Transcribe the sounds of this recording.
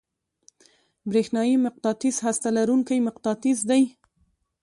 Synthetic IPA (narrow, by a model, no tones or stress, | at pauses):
bɾexnɑjimɪq̚t̪ɑt̪izhast̪alaɾuŋkajmɪqt̪ɑt̪izd̪aj